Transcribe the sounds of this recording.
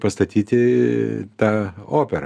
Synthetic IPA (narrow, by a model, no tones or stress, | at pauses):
pɐst̪ɐt̪ʲiːt̪ʲɪ | t̪ɑːoːpʲɛɾ